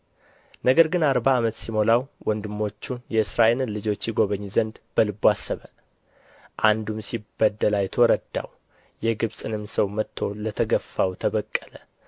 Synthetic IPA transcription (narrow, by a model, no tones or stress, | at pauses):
nəɡəɾɡɨnaɾbaːmət̪simo̞lawwɔnd̪ɨmːo̞t͡ʃːunjɛɨsɾaʔelɨnlɨd͡ʒo̞t͡ʃːjiɡo̞βəɲːzənd̪b̥əlɨbuasːəβə | ʔand̪umsibːəd̪ːəlajɛt̪ʰəwɔɾəd̪a̰w | jɛɡɨβsʼɨnɨmsəwmət̪ʰːo̞lət̪ʰəɡəfːawt̪ʰəβəkʼːələ